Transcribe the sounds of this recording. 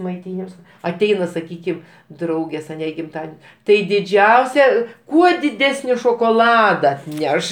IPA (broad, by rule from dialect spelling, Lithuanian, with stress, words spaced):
mɐɪˈtʲiːnʲɪms ɐˈtʲɛɪnɐ sɐˈkʲiːkʲɪm ˈdrɐʊɡʲeːs ɐˈnʲɛ ɪ ɡʲɪmˈtɑːdʲɛnʲ tɐɪ dʲɪˈd͡ʒʲɛʊsʲɛ ˈkuɔ dʲɪˈdʲæːsʲnʲɪ ʃoːkoːˈlˠɑːdɐ ɐtʲˈnʲɛʃ